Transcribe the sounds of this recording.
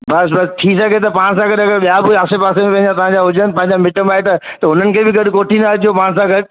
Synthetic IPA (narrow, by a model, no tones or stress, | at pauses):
bɐsbɐst̪ʰiːsɐɡʱet̪̬ɐpãːsãɡɐɗɐɡəɾɓijabɪaːsepaːsemẽpɐ̃ɪ̃ɲd͡ʑãt̪ɐʋãɲd͡ʑaɦʊd͡ʑənɪpɐ̃ɪ̃ɲ̆d͡ʑamɪʈəmaːɦet̪ɐt̪ɐʊn̤ənɪ̆kʰeːbɪɡɐɗʊkoːʈʰinɐɐd͡ʑijopaːãsãɡɐɗ